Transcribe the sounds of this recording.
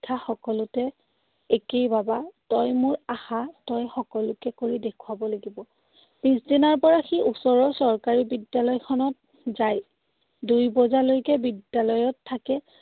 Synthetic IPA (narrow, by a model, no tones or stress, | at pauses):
kʰaxɔkɔlʊtɛ | ekejbabatɔjmʊɹahatɔjxɔkɔlʊkɛkoɹidekʰʊwabɔlaɡibɔ | pisdinaɹpɔɹaxiʔusɔɹɔsɔɹkaɹibidjalɔjkʰɔnɔt̚ | zaj | dujbɔzalojkɛbidjalɔjɔtʰːakɛ